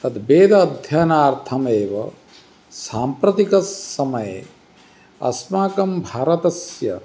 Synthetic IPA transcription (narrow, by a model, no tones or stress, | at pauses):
t̪ɐt̪beːd̪ɐːd̪ʱjɐnaːɾt̪ʰɐmeːʋɐ̰ | saːmpɾɐt̪ikɐsːɐmɐje | ɐ̰smaːkɐmbʱaːɾɐt̪ɐsjɐ̰